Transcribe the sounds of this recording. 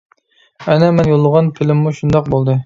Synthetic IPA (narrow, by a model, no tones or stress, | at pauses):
ɛnɛmɛnjolˠːəʁɑnpʰɪlɪmːuʃund̪ɑq̚bolˠd̪ɨ